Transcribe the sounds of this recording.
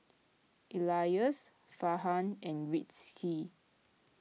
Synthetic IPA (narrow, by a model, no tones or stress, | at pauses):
ʔilajəs | faɦãnɛ̃nɹitːi